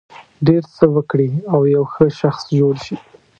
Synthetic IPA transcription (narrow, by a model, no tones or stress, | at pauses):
ɖeɾt͡səwəkɽiawjawxəʃaxsd͡ʒoɽʃi